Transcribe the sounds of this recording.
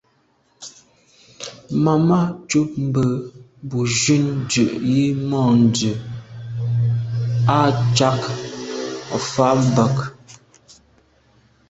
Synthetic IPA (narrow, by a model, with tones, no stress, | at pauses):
ma˨ma˦t͡ʃu˦p̚m̩˦bə˨bu˨ʒʉ˦n˦dʉ˨ʔji˦mɔ˦˨n̩˨dʉ˨ | a˦˨t͡ʃa˦k | a˨fa˦m̩˨bə˨k